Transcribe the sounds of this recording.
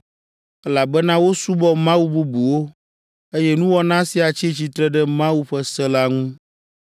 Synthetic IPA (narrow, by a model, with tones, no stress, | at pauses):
ɛ˦la˨bɛ˦nã˦wo˦su˦bɔ˦mã˦wu˦bu˦bu˨wo˦ | e˦jɛ˦nũ˦wɔ˦nã˦si˨a˨t͡ɕi˦t͡ɕi˦t̪ɾɛ˦ɖɛ˦mã˦wu˦ɸɛ˦sɛ˦la˦ŋũ˦